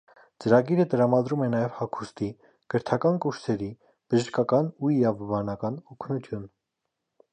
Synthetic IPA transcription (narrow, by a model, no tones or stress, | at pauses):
t͡səɾɑɡiɾət̪əɾɑmɑd̪ɾumɛnɑjɛv̥hɑkʰu̥st̪i | ɡ̥əɾt̪ʰɑkɑnkuɾsɛɾi | b̥əʒəʃkɑkɑnuiɾɑvɔvɑnɑkɑnɔkʰnut̪ʰjun